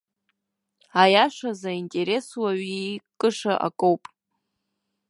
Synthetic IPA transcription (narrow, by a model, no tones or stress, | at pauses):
ajaʂazaintʼe̞ɾe̞swaɥikʼɨʂaʔa̰kʼowpʼ